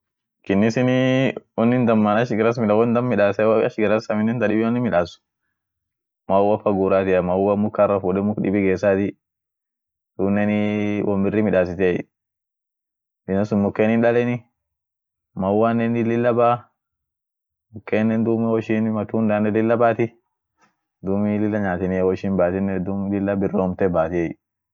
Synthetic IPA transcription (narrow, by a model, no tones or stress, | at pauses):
kɪnːɪsɪnɪɔnːɪnd̪ɐmːanɐʃɡɪɾɐs̬mɪlawɔnd̪ɐmːɪᶑaːsɛwɐʃɡɪɾɐsɐmɪnɛnt̪ɐɗɪbɪɔnːɪmɪᶑaːsʊ̥ | mawɐfɐɡuːɾaːt̪ɪɐmawɐmʊkːarːɐfuɗɛmʊkdɪ̰bɪɡeːsaːt̪ɪ | d̪uːnːɛnɪwʔɔmbɪrːɪmɪᶑaːs̬ɪt̪ɛ | ɪnɐsʊnmʊkːenɪnɗɐlɛnɪ | mawanːɛnɪlɪlːɐbaː | mʊkːenːɛnd̪umɪwɔʃinmɐt̪und̪anɛlɪlːɐbaːt̪ɪ | d̪umɪlɪlːɐɲaːt̪ɪnɪwɔʃɪnbaːt̪ɪnːɛd̪umlɪlːabɪrːomt̪ɛbaːt̪ɪɛ